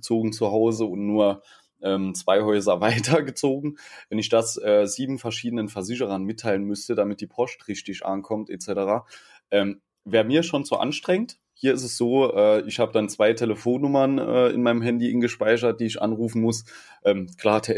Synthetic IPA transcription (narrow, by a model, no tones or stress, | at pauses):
t͡soːɡŋ̩t͡suɦaʊzəʊntnuːɐ | ʔɛːmt͡sv̥aɪhɔʏzɐvaɪtʰɐɡət͡soːɡŋ̩vɛnɪçd̥asʔɛːziːbm̩fɛɐʃiːdənənfɛɐzɪçəʁɐnmɪtʰːaɪlənmʏstədamɪt̚d̥iːpʰɔstʁɪʃtɪçʔa̰nkʰɔmtʔet͡sɛtəʁaː | ʔɛːm | veːɐmiːɐʃoːnz̥oːʔa̰nʃtʁ̥ɛŋət | hiːɐɪs̬təsz̥oːʔɛːɪçhaːbəd̥ant͡sv̥aɪtʰeləfoːnːʊmɐnʔɛ̰ːɪ̰nmaɪnəmɦɛndiʔɪnɡəʃpaɪʃ̬ɐt̚d̥iːɪçʔa̰nʁuːfn̩mʊs | ʔɛːmkʰl̥aːtʰɛ